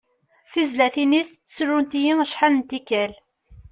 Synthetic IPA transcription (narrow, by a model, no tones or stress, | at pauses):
θizlæθinisθsɾʊnt̪ijiŋəʃħanənt̪ikæl